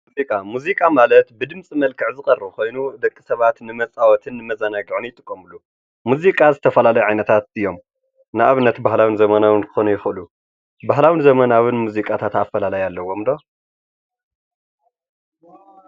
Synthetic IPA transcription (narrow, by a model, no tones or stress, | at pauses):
muzikʼamuzikʼamalɐt̪bɨd̪ɨmt͡sʼimɐlkʰɨʕzɨxʼɐrːɨβkʰo̞jnud̪ɐkʼːisɐβat̪nɨmɐt͡sʼawɔt̪ʰɨnːɨmɐzɐnaɡɨʕonjɪt̪ʼɨkʼːɐmɨlːu | muzikʼazɨt̪ʰɐfɐlalɐjuʕajnɐt̪ʰat̪ɨjːo̞m | nɨʔaβɨnːɐt̪baɦlawɨnzɐmɐnawɨnkʰɨ̥xonujɪxʔɨlu | baɦlawɨnzɐmɐnawɨnmuzikʼat̪ʰat̪aːfɐlalajalːɐwːo̞md̪o̞